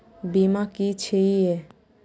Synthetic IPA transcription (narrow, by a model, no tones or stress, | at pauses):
bimakit͡ʃʰeie